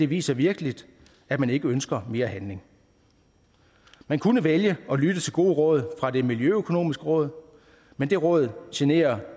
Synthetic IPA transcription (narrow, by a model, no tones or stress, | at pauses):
d̥e̝ʋḭːsɐʋiɐɡ̥əlid̥ | æ̥mæne̝ɡ̥əønsɡ̥ɐme̝ːɐhænle̝ŋ | mænkʰunəʋeljəɒ̽lyd̥ət͡sʰe̝lɡ̥o̝̰ːʁɔ̽ːð̞ˠfʁɑ̈d̥e̝miljøøkʰo̝no̝̰ːmisɡ̥əʁɔ̽ːðˠ | mend̥e̝ʁɔ̽ːð̞̩ˠɕene̝̰ːɐ